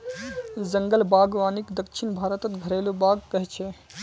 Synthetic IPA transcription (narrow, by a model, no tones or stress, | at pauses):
d͡ʒəŋɡəlbaːɡʋaːnikd̪əkʃʰinbʱaːɾət̪ət̪ɡʱəɾeːlobaːɡ̚kəɦɛt͡ʃʰɛ